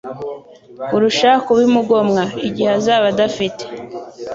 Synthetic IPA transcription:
uɾuʃakuβimuɡo̞mŋaiɟiheazaːβadafite̥

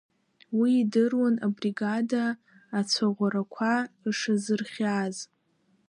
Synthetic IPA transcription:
wiːdɨrwana̰briɡadaː | t͡sʷʰaʁʷaɾakʷʰaiʂazɨrχʲaz

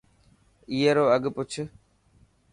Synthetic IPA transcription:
iːeɾoːəɠpʊt͡ʃʰ

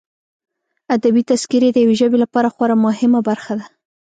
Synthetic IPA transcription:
ad̪abit̪askiɾed̪əjaweʒəbelapɑɾaxwaɾamʊhɪmabaɾxad̪a

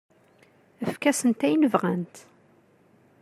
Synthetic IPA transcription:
əfkæsənt̪æjnəvʁænt̪

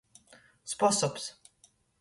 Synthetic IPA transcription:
spɔsɔps

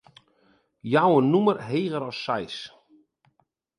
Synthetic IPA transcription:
jawənumərɦeːɣəɾɔsːajs

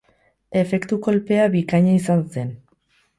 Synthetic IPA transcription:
e̞fe̞kt̪uko̞lpe̞aβikaɲaisanse̞n

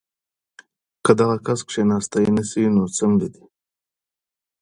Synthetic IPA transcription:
kad̪aɣakaskʂenɑst̪ajnəsiinot͡səmlid̪i̥

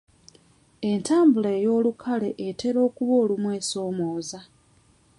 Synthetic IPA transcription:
e̞ntaːmbuleːjo̞ːlukʰale̞ʔete̞ɾo̞ːkuβo̞ːlumwe̞ːso̞ːmoːza

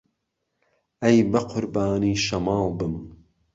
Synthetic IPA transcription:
ɐjbɐqʰʊɾbaːniːʃɐmɑːlˠbɨm

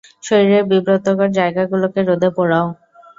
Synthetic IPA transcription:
ʃoɾiɾeɾbibɾot̪okaɾd͡ʑaeɡaɡulokeɾod̪ʱepɔɽao

